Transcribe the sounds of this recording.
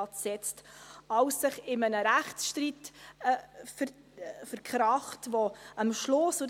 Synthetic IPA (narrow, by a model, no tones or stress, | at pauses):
ɑtsɛt͡stɑwsːɪχɪmənəɾæχtsʃtɾiːt | f | fəɾkʰχɾɑχtvoɑmʃlʊsʊ